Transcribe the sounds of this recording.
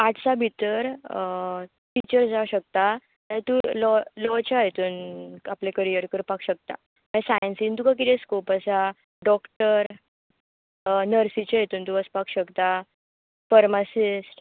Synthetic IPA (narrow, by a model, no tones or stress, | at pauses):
aʈʰt͡sabʱit̪əɾ | ʈ̪it͡ɕəɾd͡zawɕək̚t̪a | t̪at̪ulɔlɔt͡ɕajet̪uːnaplẽkəɾijəɾkəɾpakʰɕək̚t̪a̰ | mə̃sajənsiːnt̪ukak̬it̪ẽskopasa | ɖɔkʈəɾ | nəɾsit͡ɕajet̪uːnt̪uəspakɕəkt̪a | pəɾmasisʈ